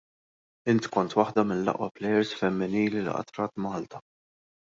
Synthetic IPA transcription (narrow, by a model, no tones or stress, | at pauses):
ɪnt̪kɔnt̪wɐħd̪ɐmɪnlɐ̰ʔwɐ̰plɛjɛɾsfɛmːɪniːlilɪ̰ʔɐ̰t̪ɾɐːt̪mɐːlt̪ɐ̥